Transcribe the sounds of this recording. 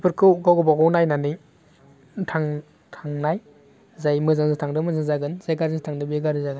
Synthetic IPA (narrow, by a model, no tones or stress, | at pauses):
pʰɯɾkʰɯwɡawɡɯbaɡawnajnanɯ | tʰaŋ | tʰaŋnaj | zajmɯzaŋzɯtʰaŋdɯmɯzaŋzaɡɯnzajɡaɾzɯtʰaŋdɯbeɡaɾdɯzaɡɯ